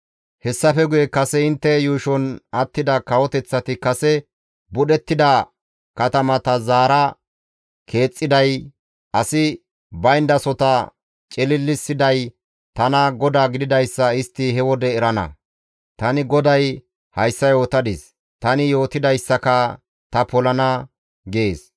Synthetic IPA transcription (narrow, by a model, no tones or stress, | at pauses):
hɛsːɐfɛɡʊjɛkɐsɛɪnt̪ːɛjuːʃɔnɐt̪ːɪd̪ɐkɐwɔt̪ɛt͡sːɐt̪ɪkɐsɛ | bʊɗɛt̪ːɪd̪ɐ | kɐt̪ɐmɐt̪ɐzaːɾɐ | kʰe̞ːt͡sʼːɪd̪ɐj | ɐsɪ | bɐjnd̪ɐsɔt̪ɐ | t͡ʃʼɪlɪlːɪsːɪd̪ɐj | t̪ɐnɐɡɔd̪aːɡɪd̪ɪd̪ɐjsːɐɪst̪ːɪɦɛwɔd̪ɛːɾɐnɐ̰ | t̪ɐnɪɡɔd̪ɐj | hɐjsːɐjo̞ːt̪ɐd̪ɪs | t̪ɐnɪjo̞ːt̪ɪd̪ɐjsːɐkɐ | t̪ɐpɔlɐnɐ | ɡeːs